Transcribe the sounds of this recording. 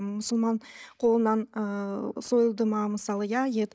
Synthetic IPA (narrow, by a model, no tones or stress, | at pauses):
mʊsəlˠmɑnqʰo̞lˠənɑnəsojlˠd̪əmɑməsɑlˠəjɑjet̪